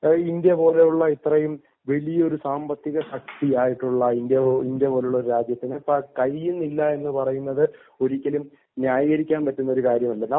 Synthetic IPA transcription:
indepo̞ːle̞juɭːɐit̪rɐjum | ʋe̞lijɐoɾusaːmbɐt̪ːiɣɐʂɐk̚t̪iaːjiʈːuɭːɐindeinde̞po̞ːleuɭːɐoɾuɾaːd͡ʑjɐt̪ːinepːɐkɐjːunːilːɐe̞nːɨpɐrɐjunːɐðɨ | o̞ɾikʲːɐlum | njaːjɐɣɐɾikʲːaːnpɐtːunːɐo̞ɾukaːɾjɐmɐlːɐnɐ

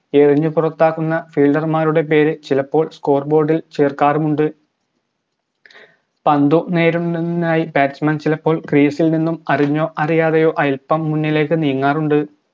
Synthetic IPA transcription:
e̞riɲːɨpurɐt̪ːaːkːunːɐfiːlɖɐrmaːɾuɽe̞p̬e̞ːɾɨt͡ɕilɐpːo̞ːɭsko̞ːrbo̞ːɖilt͡ɕeːrkaːrumuɳɖɨ | pɐnd̪une̞ːɾunaːjibaːt͡ɕmɐnt͡ɕilɐpːo̞ːɭkrijɐsilninːumɐriɲːo̞ːʔɐrijaːðɐjo̞ːʔɐjlpːɐmːunːile̞ːkːɨnijŋːaːruɳɖɨ

